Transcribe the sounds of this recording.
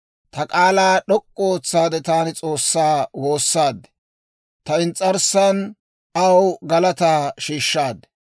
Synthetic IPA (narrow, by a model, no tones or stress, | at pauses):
t̪ɐkʼaːlaːɗɔkʼːɔoːt͡sːaːd̪ɛt̪aːnɪt͡sʼo̞ːsːaːwo̞ːsːaːd̪ | t̪ɐɪnt͡sʼːɐɾsɐn | ɐwɡɐlɐt̪aːʃiːʃːaːd̪